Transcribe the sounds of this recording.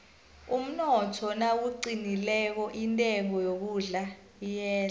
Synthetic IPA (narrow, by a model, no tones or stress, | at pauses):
um̩nɔtʰɔnawuǀinilɛk̬ɔʔintʼɛŋɔjok̬uɮa | jɛːla